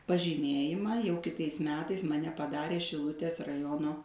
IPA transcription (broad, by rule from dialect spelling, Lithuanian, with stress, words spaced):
pɐʒʲiːˈmʲeːjɪmɑː jɛʊ kʲɪˈtɐɪs ˈmʲæːtɐɪs mɐˈnʲɛ pɐˈdɑːrʲeː ʃʲɪˈlˠʊtʲeːs rɐˈjoːnoː